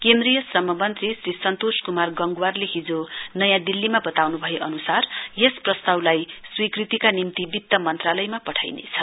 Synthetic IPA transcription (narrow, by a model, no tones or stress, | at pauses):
kend̪rijʌsrʌmʌmʌnt̪risrisʌnt̪oskumarɡʌŋɡuwarleɦid͡zonʌjãd̪ilːimabʌt̪awnubʱʌjeʔʌnusarjesprʌst̪awlajswikrit̪ikanimt̪ibit̪ːʌmʌnt̪ralʌjmapʌʈʰa̰jnḛt͡sʰʌ